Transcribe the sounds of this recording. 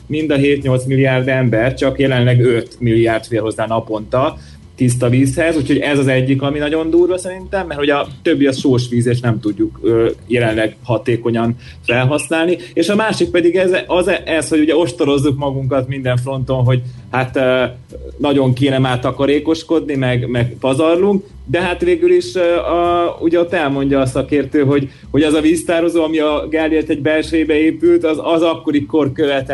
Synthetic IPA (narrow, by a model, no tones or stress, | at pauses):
mind̪ɒɦeːt̪ɲo̞lt̪smilːijaːrd̪ɛmbɛrt͡ʃɒkjɛlɛnlɛɡøt̪milːiaːrt̪feːlɦo̞zːaːnɒpo̞nt̪ɒ | t̪is̬t̪ɒviːshɛzucho̞ɟɛzɒzɛɟːikɒminɒɟo̞nd̪uːrʋɒsɛɾint̪ɛmːɛrhuɟɒt̪ø̞bːiɒʃoːʃʋiːzeːʃnɛmt̪uɟːukøːjɛlɛnlɛɡhɒt̪eːko̞ɲɒn | fɛlɦɒsnaːlnieːʃɒmaːʃik̚pɛd̪iɡɛzɒzɛʔɛsho̞ɟuɟɛo̞ʃt̪o̞ɾo̞zːukmɒɡuŋkɒt̪mind̪ɛɱfro̞n̪t̪o̞nɦo̞ɟhat̪ː | nɒɟo̞ŋkeːnɛmaːrt̪ɒkɒɾeːko̞ʃko̞d̪nimɛɡmɛɡpɒzɒrluŋk̚ | d̪ɛɦat̪ʋeːɡyliʃ | uɟɛo̞t̪ːɛlmo̞ɲɟɒːsɒkeːrt̪øːɦo̞ɟ | ho̞ɟɛzɒviːst̪aːɾo̞zoːɒmiɒɡaliɛt̪ɛɟbɛlʃɛibɛeːpylt̪ɒzɒzɒkːo̞ɾiko̞rkøvɛt̪ɛ